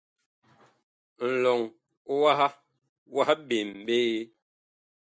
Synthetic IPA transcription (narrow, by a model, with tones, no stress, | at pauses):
n̩˨lɔ˨ŋ˦ | wa˦ha˦ | wa˦ha˦be˨m̩˨be˦e˦